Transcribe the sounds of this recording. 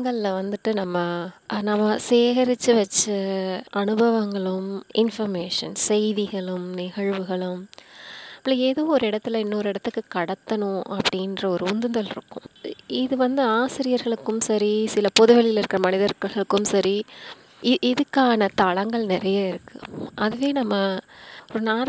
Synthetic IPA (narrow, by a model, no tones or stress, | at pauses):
ŋɡɐɭlɐʋɐnd̪ɯʈːɯnɐmːɐnɐmːɐseːɣɾɯt͡ʃːɯʋɛt͡ʃːɯɐnɯbɐʋɐŋɡɐɭɯmɪnfɐɾmeːʂɐ̰nsɛɪðiɣɐɭɯmnɪɣɐɻʋɯɣɐɭɯm | pːlɐeːðoːɔɾɯɪɽɐt̪ːɪlɐɪnːɐɔɾɯɪɽɐt̪ːɯkːɯkɐɽɐt̪ːɐnʊ̃ʔɐpːɐɽindrɐɔɾɯʊnd̪ɯnd̪ɐlɪɾɯ̰kːʊ̰̃ɪðɯʋɐnd̪ɯaːsɪɾɪjɐɾɣɐɭɯkːɯmsɐɾisɪlɐpɔðɯʋɐlɪlɪɾɯkːɪɾɐmɐnɪðɐɾɣɣɐɭɯkːɯmsɐɾi | ɪɪðɯkːaːnɐt̪ɐɭɐŋɡɐɭnɪɾɐjaːɪɾɯkːɯ̰ʔɐðɯʋeːnɐmːɐɔɾɯnaːɾ